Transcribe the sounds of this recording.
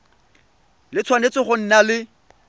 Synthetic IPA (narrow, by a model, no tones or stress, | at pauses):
lɪt͡sʰwanet͡sɪχʊn̩nalɪ